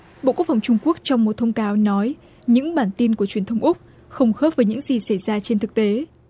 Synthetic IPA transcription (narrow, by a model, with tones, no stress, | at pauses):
ɓo̰˧˨ku˦˥ək̚fʰwŋ͡mt͡ɕʊ˧ŋ͡mku˦˥ək̚t͡ɕɔ˧wŋ͡mmo˨˩t̚t̪ʰə˧wŋ͡mkaː˨˦wnɔ˨˦j | ɲɨ̰˧˥ŋɓaː˧˩nt̪i˧nku˧˩ət͡ɕwi˧˩ənt̪ʰə˨˦wŋ͡mʔʊ˦˥k͡p̚ | xə˧wŋ͡mxəː˦˥p̚vəː˨˦jɲɨ̰˧˥ŋzi˨˩sa˧˩jzaː˧t͡ɕe˧nt̪ʰɨ˨˩k̚t̪e˨˦